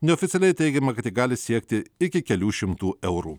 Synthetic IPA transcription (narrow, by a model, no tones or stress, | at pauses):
nʲɛofʲɪt̪ʲɛlʲɛɪt̪ʲɛɪɡʲɛmɐkɐt̪jɪɡɑːlʲɪsʲiɛkt̪ʲɪɪkʲɪkʲɛlʲuːʃʲɪmt̪uːʔɛʊɾṵː